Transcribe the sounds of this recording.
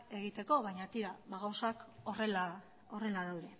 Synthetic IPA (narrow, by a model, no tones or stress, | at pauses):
e̞ɣ̞it̪e̞ko̞β̞ajɲat̪iɾaβaɣawsakorela | o̞re̞laðawðe̞